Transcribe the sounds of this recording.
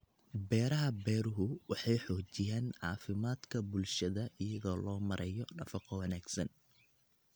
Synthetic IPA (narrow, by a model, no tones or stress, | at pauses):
bɛːɾɐɦɐbɛːɾʊɦʊwɑħɑjħɔːt͡ʃɪjaːnʕɑːfɪmaːd̪kʰɐbʊlʃɐðɐʔɪjɐɣɔːlɔːmɐɾʔɐjɔnɐfɑqɔwɐnaːɡsɐn